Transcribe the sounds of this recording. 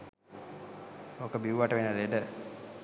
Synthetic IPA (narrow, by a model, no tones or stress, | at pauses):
okəbiwʋaʈəʋenəleɖə